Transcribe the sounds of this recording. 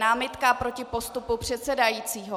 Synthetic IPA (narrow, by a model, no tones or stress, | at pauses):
naːmɪt̪kapɾo̞cɪpo̞st̪upupr̝̥ɛt̪sɛdajiːt͡siːɦo